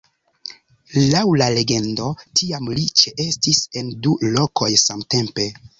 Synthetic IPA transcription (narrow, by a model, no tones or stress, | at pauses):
lawlale̞ɡe̞ndo̞tiamlit͡ʃeʔe̞stise̞ndulo̞kʰo̞jsamte̞mpe̞